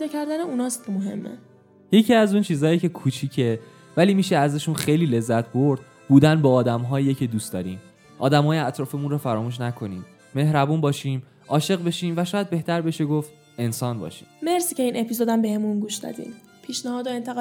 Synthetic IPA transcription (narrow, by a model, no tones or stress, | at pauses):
pɛːd̪ɒːcʰæɾd̪æneunɒːst̪moɦe̞̰mːḛ | je̞cʰiæzunt͡ʃʰiːzɒːjecʰe̞kʰuːt͡ʃʰiːcʰe̞ | væliːmiʃeæzeʃunxejliːle̞zːæt̪ʰboɾd̪̥ | buːd̪ænbɒːd̪æmɦɒːjjecʰed̪uːst̪d̪ɒ̰ːɾḭːm | ʔɒ̰ːd̪æmɦɒːjeæt̪ʰɾɒːfemunrɒːfæɾɒːmuːʃ̬nækʰo̞niːmː | e̞ɦɾæbuːnbɒːʃiːm | ʔɒːʃe̞ɣbe̞ʃiːmvæʃɒːjæd̪̚be̞ht̪ʰæɾbe̞ʃe̞ɡoft̪ | e̞nsɒːnbɒ̰ːʃe̥me̞ɾsicʰe̞iːnʔepʰizod̪æmbe̞hemunɡuːʃd̪ɒ̰d̪ḭːm | pʰiːʃnæhɒːd̪oe̞nt̪ʰeɣ